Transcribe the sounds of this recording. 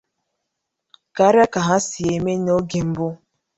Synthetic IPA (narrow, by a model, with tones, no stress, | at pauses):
ka˦ɾja˦ka˨ɦa˦si˨e˨me˦n˦o˦ɡe˨m̩˦bʊ˦